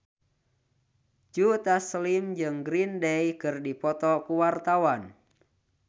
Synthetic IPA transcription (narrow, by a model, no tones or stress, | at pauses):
d͡ʒut̪aslimd͡ʒɨŋɡɾindɛjkɨrdipɔt̪ɔkuwart̪awan